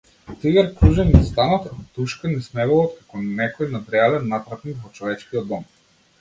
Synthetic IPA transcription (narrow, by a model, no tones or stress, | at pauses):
t̪iɡɛɾkɾuʒɛnist̪anat̪ɔt̪uʃkanɛsmɛvɔlˠɔt̪̚kakɔnɛkɔjnat̪ɾɛalɛnːapɾat̪nikvɔt͡ʃɔvɛt͡ʃkiɔd̪ːɔm